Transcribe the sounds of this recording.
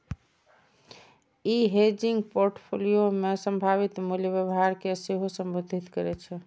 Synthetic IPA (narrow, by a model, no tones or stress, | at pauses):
iɦed͡ʒiŋɡpoɾʈpʰolijomesə̃mbʱaβit̪muljəbjəbɦaɾkeseɦosəmbod̪ʱit̪kəɾɛt͡ʃʰɛ